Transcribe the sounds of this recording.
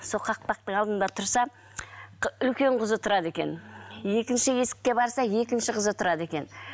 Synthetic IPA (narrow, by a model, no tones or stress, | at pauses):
soqʰɑq̚pɑq̚t̪əɴɑlˠd̪ənd̪ɑt̪ʰʊɾsɑ | ʏlkʲe̞ɴqʰʊzət̪ʰʊɾɑd̪e̞kʲe̞̰nje̞kʲɪnʃɪje̞sɪ̥kʲːe̞bɑɾsɑje̞kʲɪnʃɪqʰəzət̪ʰʊɾɑd̪e̞kʲe̞n